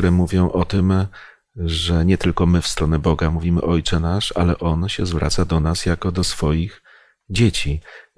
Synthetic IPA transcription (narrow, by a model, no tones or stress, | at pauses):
ɾɛmuvʲjɔ̃w̃ʔɔt̪ɘm | ʐɛɲɛt̪ɘlkɔmɘfst̪ɾɔnɛbɔɡamuvʲimɘ̰ʔɔjt͡ʂɛnaʂalɛʔɔnɕɛzvɾʔa̰t̪sad̪ɔnasjakɔd̪ɔsfɔjix | d͡ʑet͡ɕi